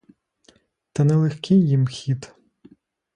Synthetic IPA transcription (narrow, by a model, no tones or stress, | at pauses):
t̪ɐnɛlˠexkɪjjimxʲid̪